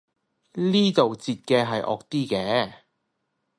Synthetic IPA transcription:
liː˥t̪o˨wt͡siː˧t̚kɛː˧ɦɐ˨jʔɔ̰ː˨˧k̚t̪iː˥kɛː˧

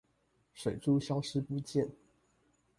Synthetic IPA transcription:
ʂe˨˩ɪʈ͡ʂu˦ɕjɑ˦ʊʂɻ̩˥pu˥˧t͡ɕjɛ˥˨n

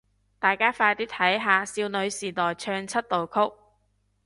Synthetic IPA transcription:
t̪aː˨˩jkaː˥faː˧jt̪iː˥t̪ʰɐ˨˥jɦaː˨˧siː˧wnɵ˨˧ɥsiː˨˩t̪ɔː˨˩jt͡ʃʰœː˧ŋt͡sʰɐ˥t̚t̪o˨wkʰʊ˥k̚

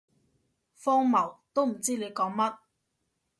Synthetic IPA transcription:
fɔː˥ŋmɐ˨˩wt̪o˥wm̩˨˩t͡siː˥le˨˧jkɔː˨˥ŋmɐ˥t̚

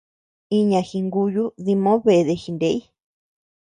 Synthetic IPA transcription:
i˧ɲã˧xi˧ŋɡu˧ju˦ði˧mõ˦βe˧ðe˧xi˧nde˦i˦

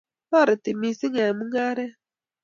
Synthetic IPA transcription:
ma˦˨ɾi˨ti˨mi˨si˦ŋa˨mu˦ŋɡa˦ɾɛ˦

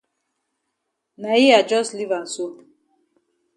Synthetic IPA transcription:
na˨i˦a˨d͡ʒɔ˦sli˦va˨nsu˦

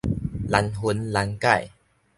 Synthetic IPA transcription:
la˨˧nɦu˧˦nla˧nka˥˨j

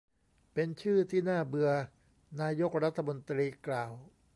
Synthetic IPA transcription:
pe˧nt͡ɕʰɯː˥˩t̪ʰiː˥˩naː˥˩bɯ˧ɐ | naː˧jo˦˥k̚ɾa˦˥t̪ʰːa˧mo˧nt̪ɾiː˧klaː˨˩w

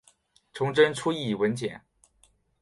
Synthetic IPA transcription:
ʈ͡ʂʰʊ˧˥ŋʈ͡ʂə˥nʈ͡ʂʰu˥i˥˩wə˧˥nt͡ɕjɛ̰˨˩˦n

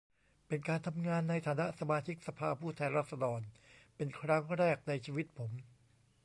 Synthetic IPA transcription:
pe˧nkaː˧nt̪ʰa˧mŋaː˧nːa˧jt̪ʰaː˨˦na˦˥ʔsa˧maː˧t͡ɕʰi˦˥k̚sa˧pʰaː˧pʰuː˥˩t̪ʰɛː˧nɾa˦˥t̪̚sa˧dɔː˧npe˧nkʰɾa˦˥ŋɾɛː˥˩k̚na˧jt͡ɕʰiː˧wi˦˥t̪̚pʰo˩˦m

